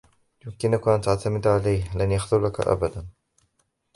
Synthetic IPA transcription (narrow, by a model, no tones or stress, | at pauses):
jʊmkɪnʊkʔant̪aʕt̪amɪd̪ʕalajhlanjaxd̪ʊɾlaka̰ʔa̰bad̪an